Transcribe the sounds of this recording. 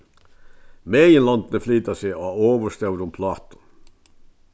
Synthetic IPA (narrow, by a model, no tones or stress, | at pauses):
meːjənlɑnd̪nəflyːt̪ɑseɑːoːʋəʂt̪œʉɾʊmpʰlɑːt̪ʊ̥